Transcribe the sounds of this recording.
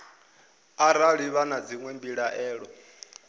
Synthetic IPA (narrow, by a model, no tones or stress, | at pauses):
aɾaɺiβanad͡ziŋwɛmbiɺaʔɛːɺɔ